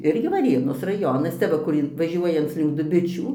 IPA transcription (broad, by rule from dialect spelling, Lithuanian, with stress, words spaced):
ˈɪrʲɡʲɪ ʋɐˈrʲeːnoːs rɐˈjoːnɐs ˈt͡sʲɛ ʋɐ kʊr ˈɪn ʋɐˈʒʲuɔjɛnt͡s lʲɪŋk dʊˈbʲɪt͡ʃʲuː